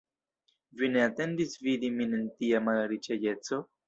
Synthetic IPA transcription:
vineat̪e̞ndisvid̪iminent̪iamalɾit͡ʃaje̞t͡so̞

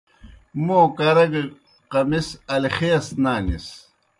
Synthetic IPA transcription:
moːkɐɾɐɡe | qɐmisɐlxeːsnaːnḭs

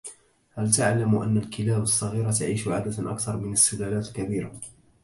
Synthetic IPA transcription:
halt̪aʕlamʔa̰nːalkɪlaːbɑsˤːɑɣiːɾat̪aʕiːʃʊʕaːd̪at̪ʔakθɑɾˤmɪnasːɪlaːlaːt̪lkabiːɾa

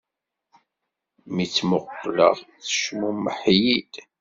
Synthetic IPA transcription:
mit͡sːmʊqːlə̰ðˤθə̥ʃmuməħjid̪̥

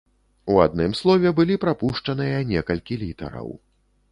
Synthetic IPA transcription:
ua̰d̪̚nɨmslˠɔvʲɛbɨlʲipɾapuʂt͡ʂɐnɨjɐnʲɛkɐlʲkʲilʲit̪ɐ̰ɾɐ̰w

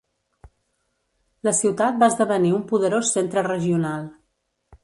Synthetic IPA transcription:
ləsiwt̪at̪̚baəzðəβəniumpuðəɾosːent̪ɾərəʒiunalˠ

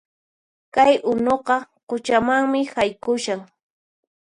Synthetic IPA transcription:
kajʔʊnoqɑqʊt͡ʃamaŋmɪhajkʊʃaŋ

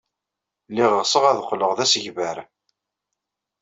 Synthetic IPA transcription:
lːiʁəʁsəʁæðqːləʁðæsəʝvəɾ

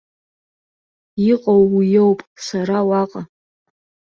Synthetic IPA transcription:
iqʼowːijowpʼsaɾawaqʼa

